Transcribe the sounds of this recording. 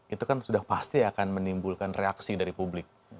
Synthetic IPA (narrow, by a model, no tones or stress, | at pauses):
it̪ukansudahpast̪iakanmənimbulkanreaksidaɾipublɪk̚